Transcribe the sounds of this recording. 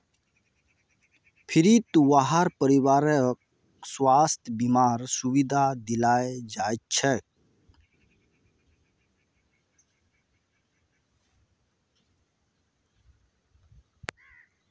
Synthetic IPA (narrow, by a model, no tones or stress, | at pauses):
pʰɪɾit̪uwaɦaɾpəɾiwaːɾək | swaːst̪ʰjbimaːɾsuwid̪ʱad̪ɪlaːed͡ʒaːjt̪̚t͡ʃʰɛk